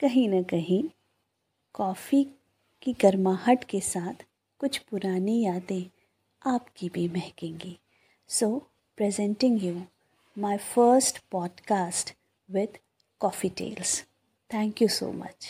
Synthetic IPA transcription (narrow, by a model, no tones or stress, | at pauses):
kɐɦĩnɐkɐɦĩ | kɔːfi | kiɡɐɾmaːhəʈkesaːt̪ʰ | kʊt͡ʃʰpʊɾaːnijaːt̪ẽ | aːpkibʱimɛɦkẽːŋɡiː | soː | pɾɛzɛ̃ɳʈɪ̃ŋɡjuː | maːɪfəːɾsʈpɔːɖkaːsʈ | ʋɪd̪ | kɔːfiʈḛːls | t̪ʰɛ̃ːŋkjuso̰ːmɐ̰t͡ʃ